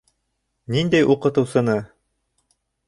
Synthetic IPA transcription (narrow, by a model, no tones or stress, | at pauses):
nind̪æjʔuqɤ̆t̪ɤ̆wsɤ̆nɤ